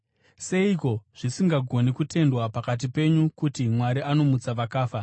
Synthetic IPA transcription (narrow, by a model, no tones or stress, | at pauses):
se̞iko̞ʐ̥isiŋɡaɡʱo̞nikute̞ndwapakat̬ipe̞ɲukutimwaɾiʔano̞mut͡saʋakaːfa